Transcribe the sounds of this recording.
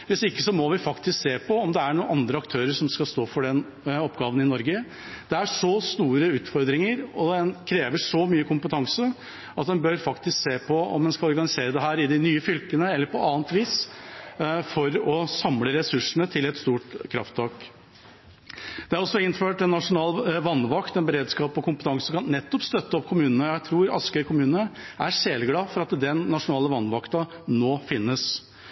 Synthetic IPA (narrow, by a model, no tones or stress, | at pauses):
ʋɪsɪkːəsɔmɔʋɪfɑkt̪ɪskseːpʰɔɔmd̪ɛæɳuːnɑnd̪ɾəɑkt̪ʰøːɾəɾʂɔmskɑst̪oːfɔɖɛn | ɔpɡɑːʋənɪnɔɾɡə | d̪̥ɛæʂɔst̪uːɾəʉːt̪fɔɾd̪ɾɪŋəɾɔd̪ɛnkʰɾeːʋəʂɔmyːəkʰʊmpət̪ʰɑŋsə | ɑt̪̚d̪ɛnbøɾfɑkt̪ɪskseːpʰɔɔ̰md̪ɛnskɑlɔɾɡɑnɪseːɾəd̪ɛɦæːɾɪd̪ɪnyːəfʏlkənəɛlːəɾpʰɔɑːnt̪ʋiːs | fɔɾɔsɑmləɾɛsʉʂəɳət̪ʰɪlɛt̪st̪uːʈkʰɾɑ̰ft̪ʰɑːk | d̪̥ɛæɾɔsːɔɪnːføːʈɛnːɑʂʊnɑːlʋɑnːʋɑkt̪ɛnbəɾeːd̪skɑːpɔkʰʊmpət̪ʰɑŋsəkʰɑnːɛt̪ːɔpst̪œt̪ːəɔpːkʰʊmʉːnənəjæɪt̪ʰɾuːɾɑskəɾkʰʊmʉːnnə | ʔæʂeːlɡɽɑːfɔɾɑt̪d̪ɛnːɑʂʊnɑːləʋɑnʋɑkt̪ɑ | noːfɪnːəs